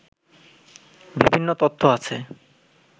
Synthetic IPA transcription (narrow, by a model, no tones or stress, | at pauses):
bibʱinːot̪ot̪ʰːoat͡ɕʰe